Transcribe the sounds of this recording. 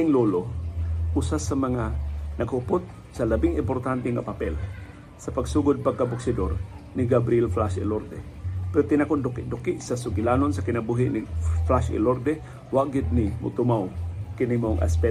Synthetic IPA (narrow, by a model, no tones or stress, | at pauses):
ɪŋloːloʔusasɐmɐŋanɐɡhʊpot̪̚ | sɐlɐbɪŋɪmpoɾt̪ant̪ɛŋapɐpɛl | sɐpɐɡsuːɡʊd̪̚pɐɡ̚kːɐbʊksɪd̪o̰ɾ | nɪɡabɾɪɛlflaʃɪ̰loɾd̪ɛ̰ | pɛɾot̪ɪnakond̪ʊkɪʔd̪ʊkɪʔsɐsʊɡɪlaːnonsɐkɪnɐbuːɦɪʔnɪflaʃɪ̰loɾd̪ɛ | waʔɡɪd̪̚nɪmʊ̰t̪ʊmawkɪnɪmaʔoŋʔa̰spɛ